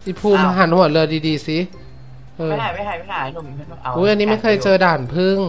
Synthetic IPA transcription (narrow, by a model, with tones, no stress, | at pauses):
ʔi˧˩pʰuː˧ma˧ɦa˩˦nhu˨˩ə˦t̪̚lɤː˧diː˧diː˧si˧˦ | ʔɤː˧ | ʔuː˦˥ʔa˧nːiː˦˥ma˥˩jkʰɤː˧jt͡ɕɤː˧daː˨˩npʰɯ˥˩ŋ